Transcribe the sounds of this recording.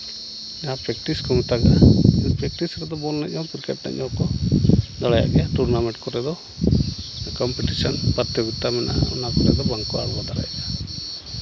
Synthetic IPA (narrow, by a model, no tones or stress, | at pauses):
ɲapɾɛk̚ʈiskɔŋit̪aɡa̰ɛnpɾɛk̚ʈisɾɛd̪ɔbɔlnɛɔkɾkɛʈnɛ̰ɔ̃kɔd̪aɽaja̰ʔɡɛaʈuɾnamɛɳʈkɔɾɛd̪ɔ | kɔmpiʈisanpaɾt̪jɔɡit̪amɛnʔa̰ɔ̰nakɔɾɛd̪ɔbaŋkɔa̰lbad̪aɽa̰jaɡa